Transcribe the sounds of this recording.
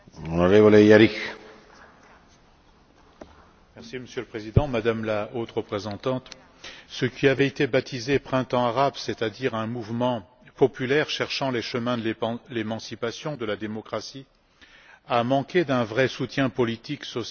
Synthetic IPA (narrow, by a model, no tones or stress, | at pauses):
ɔ̃naʁevolejaɾik | mɛʁsiməsjøləpχezid̪ɑ̃mad̪amlaot̪ʁəpχezɑ̃t̪ɑ̃t̪ | səkʲiavɛet̪ebat̪ʰizepχɛ̃t̪ɑ̃aʁabset̪ad̪iʁɛ̃muvmɑ̃ | pɔpylɛʁʃɛʁʃɑ̃leʃəmɛ̃d̪lelemɑ̃sipasjɔ̃d̪əlad̪emɔkχasi | amɑ̃kʲed̪ɛ̃vʁɛsut̪jɛ̃pɔlit̪iksɔs